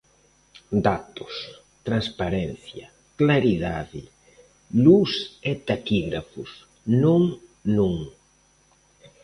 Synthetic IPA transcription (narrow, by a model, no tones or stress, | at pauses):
d̪at̪ʊ̥s | t̪ɾanspaɾɛn̟θjɐ | klaɾiðaðɪ | luset̪akiɣɾafʊs | nõŋ | nõŋ